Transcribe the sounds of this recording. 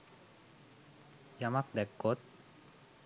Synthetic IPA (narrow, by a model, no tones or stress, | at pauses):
jamak̚d̪ɛkːot̪̚